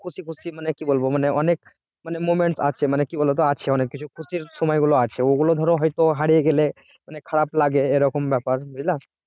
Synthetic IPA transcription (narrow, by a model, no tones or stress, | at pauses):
kʰusikʰusimənekibolboməneənek̚ | mənemomeɳʈsa̰t͡ʃʰɛmanekibolbet̪̬ɔat͡ʃʰɛənekːit͡ʃʰukʰusisumajɡoloat͡ʃʰɛoɡolod̪ʱɔɾoɦɔjt̪oɦaɽieɡele | mənekʰəɽaplaɡeːɾəkɔmbjɛpəɾbʱujla